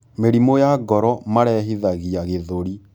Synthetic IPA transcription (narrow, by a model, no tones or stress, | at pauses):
meɾimojaɡɔɾɔmaɾɛɦiðaɣiaɣeðoɾi